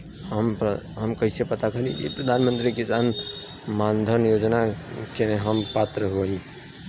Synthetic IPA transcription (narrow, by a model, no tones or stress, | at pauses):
ɦəmɦəmkəɦisepət̪akʰəɾibḭpɾəd̪ʱanmənt̪ɾikisan | mand̪ʱənjod͡ʒnakeneɦəmpat̪ɾəɦoli